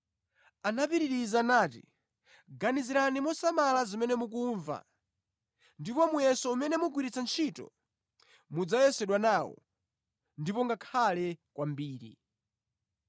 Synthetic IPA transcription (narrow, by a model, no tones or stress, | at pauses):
anapiɾiɾizanaːtḭ | ɡaniziɾanimɔsamalazimɛnɛmuk̬uɱva̰ | ndipɔmujɛsɔumɛnɛmuɡwiɾit͡sant͡ʃʰitɔ̰ | mud͡zajɛsɛɗwanaːwɔ̰ | ndipɔŋɡakʰalɛkwambiːɾḭ